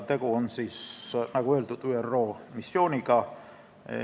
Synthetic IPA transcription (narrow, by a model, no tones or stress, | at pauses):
t̪e̞ɡ̥uonsisnɑɡ̥ue̞ːld̪ud̪̥yːerːo̞ːmisːo̞ːniɡɑ